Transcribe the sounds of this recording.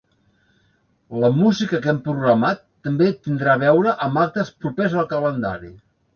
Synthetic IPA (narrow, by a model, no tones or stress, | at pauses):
ləmuzikəkɛmpɾuɣɾəmat̪ːəmbet̪ːind̪ɾaβɛwɾəʔəmbak̚t̪əspɾupezəlˠkələnd̪a̰ɾi